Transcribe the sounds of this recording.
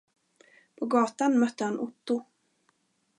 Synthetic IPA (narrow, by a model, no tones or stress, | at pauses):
pʰɔɡɑːt̪anmœt̪ːəhanʔʊt̪ːʊ